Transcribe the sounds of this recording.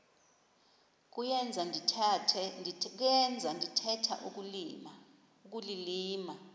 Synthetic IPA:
k̬ʼujɛnd͡zʱandʱitʰtʰɛk̬ɛnd͡zʱandʱitʰɛtʰa̰ʔuk | uk̬ʼuliliːma

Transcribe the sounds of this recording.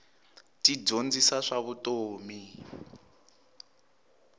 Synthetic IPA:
tid͡zond͡zisaʂaβutoːmi

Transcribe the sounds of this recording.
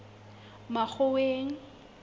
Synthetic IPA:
mak͡xʰʊweːŋ̩

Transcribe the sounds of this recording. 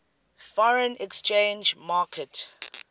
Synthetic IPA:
fɔɹə̃nɛkst͡ʃẽnd͡ʒmaːkʰɛt

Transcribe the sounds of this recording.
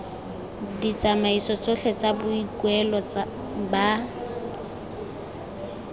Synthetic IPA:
dit͡samaisɔt͡sʼoɬɛt͡sabʊikwɛlɔt͡sa | ba

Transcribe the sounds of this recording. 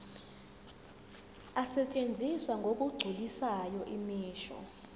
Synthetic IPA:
asɛt͡ʃʼend͡zʱiswaŋɡʱok̬ʼuɡ͡ǀʱulisajɔʔimiːʃɔ̰

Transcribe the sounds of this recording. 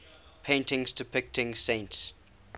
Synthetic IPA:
pʰẽɪ̃ntɪ̃ŋzdɪpʰɪk̚tʰɪ̃ŋsẽɪ̃nts

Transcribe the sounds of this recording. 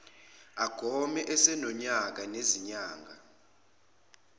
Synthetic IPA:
aɡ̥ʱɔmɛʔɛsɛnɔɲak̬aneziɲaːŋɡʱa̰

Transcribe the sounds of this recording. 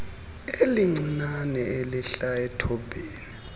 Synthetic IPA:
eliŋ͡ǀʱinanɛeliɬaɛtʰɔbeːni

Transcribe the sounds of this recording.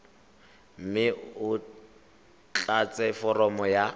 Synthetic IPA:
m̩mɪʊ | t͡ɬat͡sʼɛfɔrɔmɔja

